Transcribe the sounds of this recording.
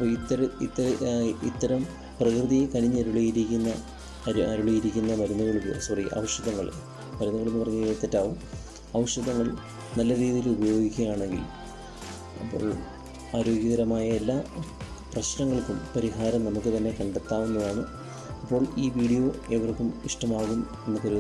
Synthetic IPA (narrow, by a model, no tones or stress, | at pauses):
ɐpːoːit̪ːɐɾit̪ːɐit̪ːɐɾɐm | prɐkrɨðijekɐɽiɲːɐɾuɭijiɾikʲːunːɐ | ɐɾuɭijiɾikʲːunːɐmɐɾunːuɣɐɭumɨsuriʔɐ̰ʋɐʂɐðɐŋːɐɭ | mɐɾunːuɣɐɭunːupɐrɐɲːuet̪ːɐtːaːʋum | ɐʋʂɐðɐŋːɐɭ | nɐlːɐɾiːðijilubɐjo̞ːɡikʲːɐjaːɳe̞ŋɡḭl | ɐpːo̰ːɭ | aːɾo̞ːɡjɐɣɐɾɐmaːjɐe̞lːaː | prɐɕnɐŋːɐɭkːumpɐɾiɦaːɾɐmnɐmukːɨt̪ɐnːe̞kɐɳɖɐt̪ːaːʋunːɐðaːɳɨ | ɐpːo̞ːɭiːʋiːɽijo̞ːeʋɐrkːumiʂʈɐmaːɣum | e̞nːɨkɐɾu